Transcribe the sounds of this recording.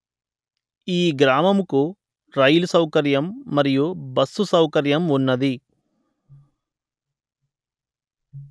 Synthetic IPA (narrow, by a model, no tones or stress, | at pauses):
iːɡɾaːmɐmuku | ɾɐjulusɐwkɐɾjɐmːɐɾijubɐsːusɐwkɐɾjɐmunːɐd̪i